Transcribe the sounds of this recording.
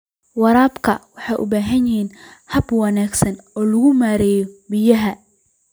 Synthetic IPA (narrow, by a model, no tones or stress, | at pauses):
wɑɾaːbkʰɐwɑħɑjʔʊ̰baːɦɐnjɪhiːnhɐbwɑnaːɡsɐnɔːlʊɣʊmaːɾɛːjɔbɪjɐɦɐ